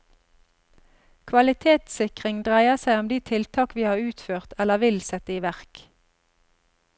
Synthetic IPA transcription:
kʰʋɑlɪt̪ʰeːt̪sɪkʁɪŋd̪ʁæɪəsæɪɔmd̪iːt̪ʰɪlt̪ʰɑːkʋiːhɑːʁʉːt̪føːʁt̪ʰɛləʋɪlsɛt̪əiːʋæʁk

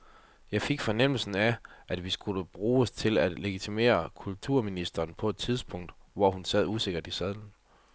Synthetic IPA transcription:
jɑ̈ɪfe̝ɡ̥fɒ̽nem̰l̩sn̩æʔæd̥ʋisɡ̥uləb̥ʁuːst͡sʰe̝læd̥le̝ɡ̥it͡sʰime̝̰ːɐkʰult͡sʰuɐ̰minisd̥ɐːnpʰɒ̽e̝d̥̚t͡sʰiðˠsb̥ɔ̽ŋ̰d̥ʋɒhunsɛð̞̰ˠuse̝ɡ̥ɐd̥isæðˠn̩

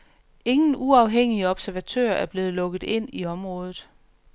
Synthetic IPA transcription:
e̝ŋn̩uɑ̈ʊɦeŋ̰iəɒ̽b̥sæɐʋæt͡sʰø̰ːɐæɐb̥le̝ːð̞̩ˠlɔ̽ɡ̥ð̩ˠe̝n̰iɒ̽mʁɔ̽ːð̞ˠð̩ˠ

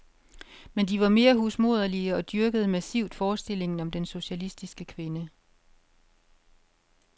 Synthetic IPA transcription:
mend̥iʋɑ̈me̝ːɐɦusmo̝ð̞̰ˠɐliəɒ̽d̥yɐɡ̥əð̞ˠmæsiʊ̰d̥fɒːsd̥e̝l̰e̝ŋn̩ɒ̽md̥enso̝ɕælisd̥isɡ̥əkʰʋe̝nə

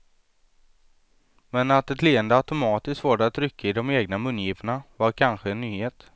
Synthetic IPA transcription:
mɛnat̪ɛt̪leːənd̪əat̪ʊmɑːt̪ɪsk̪vɑːɖaat̪ɾʏkʰːaɪd̪ɔmeːɡnamɵnjiːvəɳavaɾkʰanɧəɛnːyːheːt̪

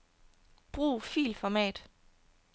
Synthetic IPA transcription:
b̥ʁuːfḭːlfɒmɛ̰ːd̥

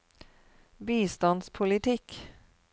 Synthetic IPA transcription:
biːst̪ɑnspʰʊlɪt̪ʰɪk

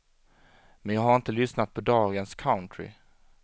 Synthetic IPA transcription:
mɛnjɑːhaɾɪnt̪əlʏsnat̪̚pʰɔd̪ɑːɡənskʰaʊnt̪ʰɾɪ̰

